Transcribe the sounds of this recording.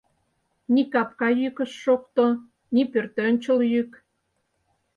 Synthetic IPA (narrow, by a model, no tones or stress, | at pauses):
nikɑpkɑjykə̆ʃːokt̪o | nipørt̪ønʲt͡ɕə̆ljyk